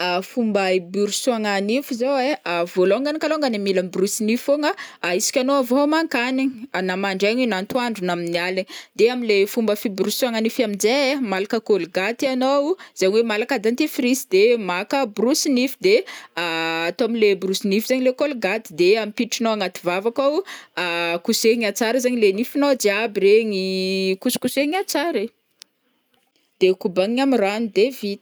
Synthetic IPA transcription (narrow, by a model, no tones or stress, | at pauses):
afumbaibuɾusaŋanifizoweavoloŋɡanikaloŋɡanimilambrusinifoŋaːisi̥kʲanoavomaŋkaninamaɳɖ͡ʐeɲinant̪waɳɖ͡ʐunaminialid̪eaminlefumbəfibɾusuaŋanifamind͡ʒemalakəkolɡat̪ianoz̥aɲwemalakad̪ant̪ifɾisid̪emakəbrusinifi̥d̪eaːt̪oamilebrusinifizaɲilekolɡat̪i̥d̪eamipiʈ͡ʂinowaŋat̪ivavakawakuseŋat͡saɾəzaɲilenifinod͡ʒeabiɾeŋikusu̥kuseŋat͡saɾe | d̪̥ekubaŋiamiranid̪evit̪i̥